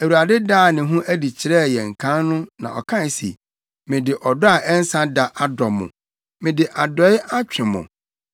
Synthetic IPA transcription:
æ˨wu˨a˨dɪ˦daː˦˨nɪ̃˨ɦũ˦ʔæ˦di˨t͡ɕʰɪ˨ɾɛ˦˨jɛ˨ŋ̩˨kʰã˦nnʊ̃˦nã̰˨ɔ̰˨kʰã˦˨sḭ˨ | mɪ̃˨dɪ˨ʔɔ˨dɔ˦a˨ʔɛ˦n̩˦sã˦da˨ʔʔa˦dɔ˨mːʊ̰̃˨ | mɪ̃˨dɪ˨ʔa˨dɔ˦ɪ˦ʔa˦t͡ɕᶣʰɪ̃˨mʊ̰̃˨

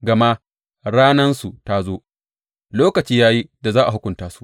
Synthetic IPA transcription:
ɡɐ˨ma˦ | ɽaː˦nɐ˦nsu˨ta˦zoː˦ | loː˦kɐ˨t͡ʃiː˦jaː˦ji˦da˨zaː˦ʔa̰˨ɦʊ˦kʷʊ˨ntaː˦su̥˦ʔ

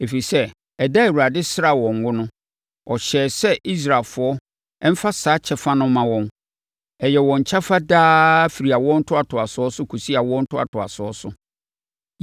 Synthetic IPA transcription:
e˨fi˨i˨sɛ˦ | ɛ˨da˦e˨wu˨ɾa˨dɪ˦sɪ˦ɾa˦˨wɔ̃˨ŋ˨ɡʊ˦nʊ̃˦ | ɔ˨ɕɛː˨sɛ˦ʔi˦s̬ɾa˨fʊ˨˦ɔ˦ | ɛ˦m̩˦fa˦saː˨˦t͡ɕʰɛ˦fa˦nʊ̃˦mã˨wɔ̃˨n | ɛ˨jɛ˨wɔ̃˨ɲ˨t͡ɕʰa˦fa˦daː˦fi˨ɾi˨a˨wɔ̃˦n̩˦tʰʊ˦a˨tʰʊ˨a˨sʊ˨˦ɔ˦sʊ˦kʰu˨si˦a˨wɔ̃˦n̩˦tʰʊ˦a̰˨tʰʊ˨a̰˨sʊ˨ɔ˦sʊ˦

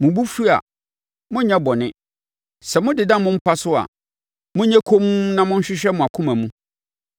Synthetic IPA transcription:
mʊ̃˨bu˦fi˦a̰˨ | mʊ̃˦ɲɛ̃˦bɔ˨nɪ̃˦ | sɛ˨mʊ̃˦dɪ˨dã˦mʊ̃˦m̩˦pʰa˦sʊ˦a̰˨ | mʊ̃˦ɲɛ̃˦kʰo˦mu˦nã˦mʊ̃˦ɲ̩˦ɕᶣɪ˦ɕᶣɛ˦mʊ̃˨a˨kʰʊ̃˦mã˨mũ˦

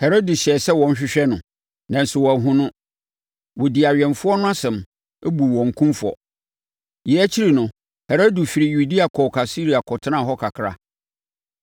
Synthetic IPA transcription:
hɛ˨ɾo˦di˨ɕɪ˨ɛ˨sɛ˦wɔ̃˨n˦ɕᶣɪ˦ɕᶣɛ˦nʊ̃˨ | nã˨n̩˨sʊ˨wɔ˨æ˨ɦʊ̃˦nʊ̃˦ | wɔ˨di˨a˨ɥɛ̃˨nfʊ˦ɔ˦nʊ̃˦a˦sɛ̃˨m | e˦bu˨ɔ̃˨ŋ̩˨kʰũ˦mfʊ˨ɔ̰˨ | jɛ˨˦æ˦t͡ɕʰi˦ɾi˨nʊ̃˨ | hɛ˨ɾo˦du˨fi˨ɾi˨ju˨di˦a˨kʰɔ˨kʰa˨si˦ɾi˨a˨kʰɔ˨tʰɪ˦nã˦˨ɦɔ˦kʰa˨kʰɾa̰˦

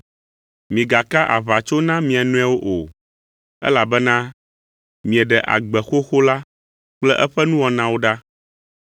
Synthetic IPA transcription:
mĩ˨ɡa˨ka˦ʔa̰˨βa˨t͡ʃo˦nã˦mĩ˨a˨nũ˦a˨wo˦ʔo˨ | ɛ̰˦la˨bɛ˦nã˦ | mĩ˨ɛ˨ɖɛ˨ʔa̰˨ɡ͡bɛ˨xo˦xo˦la˦ | k͡plɛ˦ʔɛ˦ɸɛ˦nũ˦wɔ˨nã˦wo˦ɖa˦

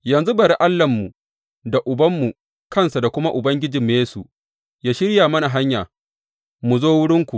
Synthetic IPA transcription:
jɐ˨nzu˦bɐ˨ɾi˦ʔa˦lːɐ˨mːu˨ | da˨ʔʊ˨bɐ˦mːu˨ | kɐ˦nsa˨da˨kʷʊ˦ma˦ʔʊ˨bɐ˦ŋɡʲɪ˦d͡ʒi˨mː˦jeː˦su˨ | jaː˦ʃɪ˦ɾjaː˨mɐ˦na˨ɦa˦ɲjaː˨ | mu˨zoː˦wʊ˦ɽɪ˦ŋkʷu˨

